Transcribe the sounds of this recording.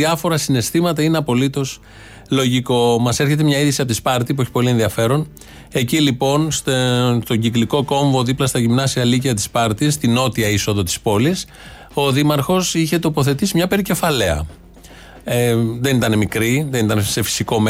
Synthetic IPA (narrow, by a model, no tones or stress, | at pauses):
iɐfo̞ɾɐsine̞st̪imɐt̪ɐineɐpo̞lit̪o̞s | lo̞ʝiko̞mɐse̞ɾçe̞t̪e̞mɲɐiðisiɐpot̪ispɐɾt̪ip̬uo̞çi̥po̞lie̞nðiɐfe̞ɾo̞n | e̞cilipo̞nst̪st̪oɲɟikliko̞ko̞ɱvo̞ðiplɐst̪ɐʝimnɐsiɐliciɐt̪i̥spɐɾt̪ist̪ino̞t̪iɐiso̞ðo̞t̪i̥spo̞lis | o̞ðimɐɾxo̞siçe̞t̪o̞po̞θe̞t̪isimɲɐpe̞ɾice̞fɐle̞ɐ̰ | eðe̞nit̪ɐnemikɾiðe̞nit̪ɐnse̞fi̥siko̞me